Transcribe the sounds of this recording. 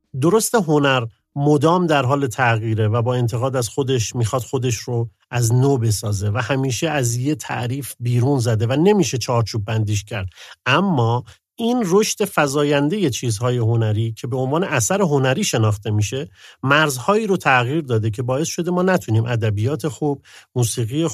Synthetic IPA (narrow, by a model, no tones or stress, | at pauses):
d̪oɾo̞st̪e̞ɦo̞næɾ | mod̪ɒːmd̪æɾɦɒːle̞t̪ʰæɣiːɾevæbɒːe̞nt̪ʰe̞ɣɒːd̪æzxo̞d̪e̞ʃmiːxɒːd̪̥xo̞d̪e̞ʃɾo | ʔæznoːbe̞sɒːze̞væhæmiːʃe̞æzje̞t̪ʰæ̰ʔɾiːfbiːɾuːnzæd̪e̞væne̞miːʃe̞t͡ʃʰɒːɾt͡ʃʰuːb̚ːænd̪iːʃ̬cʰæɾd̪ʔæmːɒː | iːnro̞ʃt̪e̞fæzɒːjænd̪e̞je̞t͡ʃʰiːzhɒːje̞ɦo̞næɾiːcʰe̞be̞o̞nvɒːneʔæsæɾe̞ɦo̞næɾiːʃe̞nɒːxt̪e̞miːʃe̞mæɾzhɒːiːɾot̪ʰæɣiːɾd̪ɒːd̪e̞cʰe̞bɒːe̞sʃo̞d̪e̞mɒːnæt̪ʰuniːmʔæd̪æbijɒːt̪ʰe̞xub̥̚muːsiːɣije